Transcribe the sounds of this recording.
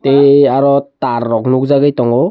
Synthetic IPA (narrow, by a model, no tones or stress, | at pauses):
teaɾɔtaɾːɔknukzaɡajtɔŋɔ